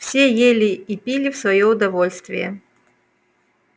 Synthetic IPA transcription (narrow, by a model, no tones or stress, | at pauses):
fsʲejelʲɪipʲilʲɪfsvɐjoʊd̪ɐvolʲst̪vʲɪ̰jə̰